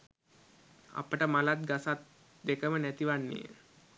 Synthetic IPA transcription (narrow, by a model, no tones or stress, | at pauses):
a̰pəʈəmalat̪̚ɡasat̪ | d̪ekəmənæt̪iʋanːḛː